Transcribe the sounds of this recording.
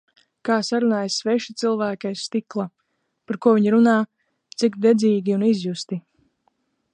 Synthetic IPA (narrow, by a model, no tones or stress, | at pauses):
kaːsaɾunaːjsvɛʃit̪silˠvæːkʲajst̪iklˠa | paɾkuɔviɲɾunaː | t̪sikd̪ɛd̪ziːɡʲiunizjust̪i